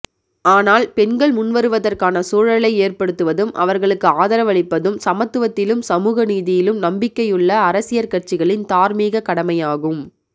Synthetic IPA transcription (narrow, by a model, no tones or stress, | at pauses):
aːnaːlpɛnɡɐɭmʊnʋɐɾɯʋɐðɐrkaːnɐsuːɻɐɭɐɪeːrpɐɽɯt̪ːɯʋɐðɯmʔɐ̰ʋɐɾɣɐɭɯkːɯaːðɐɾɐʋɐɭɪpːɐðɯmsɐmɐt̪ːɯʋɐt̪ːɪlɯmsɐmuːɣɐniːðɪjɪlɯmnɐmbɪkːɐjɯɭːɐːɾɐsɪjɐɾkɐʈ̚t͡ʃɪɣɐɭɪnt̪aːɾmiːɣɐkɐɽɐmɐjaːɣɯm